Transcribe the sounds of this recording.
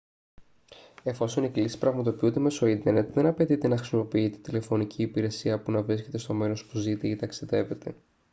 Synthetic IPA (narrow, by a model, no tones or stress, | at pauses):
e̞fo̞so̞niklisi̥pɾɐɣmɐt̪o̞piund̪e̞me̞so̞int̪eɾne̞t̪ðe̞nɐpe̞t̪it̪e̞nɐxɾisimo̞piit̪e̞̥t̪ile̞fo̞nicʰiːpiɾe̞siɐpunɐvɾisce̞t̪e̞st̪o̞me̞ɾo̞spuzit̪eit̪ɐksiðe̞ve̞t̪e̞